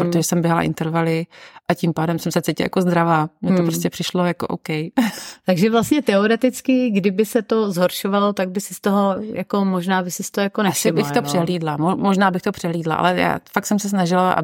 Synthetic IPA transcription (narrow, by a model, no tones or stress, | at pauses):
pɾot̪oʒɛsɛmbjɛɦala̰ʔɪ̰nt̪ɛɾvalɪʔacimpaːdɛmsɛmsɛt͡sejcɪ̰lja̰kozd̪ɾavaːmɲɛt̪opɾoscɛpr̥ɪʃlo̞jakoʔowkɛjt̪aɡʒɛvlastɲɛt̪ɛoɾɛt̪ɪt͡skɪɡdɪbɪsɛt̪o̞zɦoɾʃovalo̞t̪aɡ̚bɪsɪst̪oɦo̞jako̞moʒnaːbɪsɪst̪oojakonɛʃsɪbɪxt̪opr̥ɛɦliːdlamomoʒnaːbɪxt̪o̞pr̥ɛɦliːdla̰ʔa̰lɛja̰ːfakt̪sɛmsɛs̬naʒɪlaʔa̰